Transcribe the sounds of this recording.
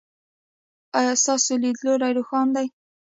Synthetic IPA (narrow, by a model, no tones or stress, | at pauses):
ɑjɑst̪ɑsolid̪loɾajɾoxɑnd̪aj